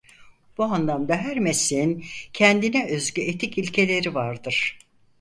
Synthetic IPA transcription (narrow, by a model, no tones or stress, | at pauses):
b̥uanlˠamd̪aɦæɾmesiincʰɛnd̪inɛøzɟyet̪ʰicilʲcʰe̞lʲe̞ɾivaɾd̪ɯɾ̥